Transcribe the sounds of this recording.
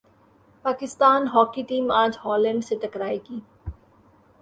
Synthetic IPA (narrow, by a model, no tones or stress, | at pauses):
paːkɪst̪aːnɦɔːkiʈiːmãːd͡ʒhɔːlə̃ɳɖseʈ̪ɐkɾaːiɡiː